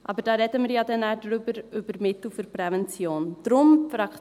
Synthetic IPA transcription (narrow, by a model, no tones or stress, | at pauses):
ʔɑbəɾd̥ɑːɾɛdəmɪːɾjɑdɛnæːdɾʏbəɾʏb̥əɾmɪtl̩fyɾpɾɛvɛnt͡sjoːnd̥ɾʊmfɾɑk